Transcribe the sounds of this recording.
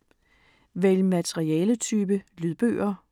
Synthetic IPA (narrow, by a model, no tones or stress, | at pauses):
ʋelmæt͡sʰeʁiɛːlət͡sʰyːb̥əlyðˠb̥ø̰ːɐ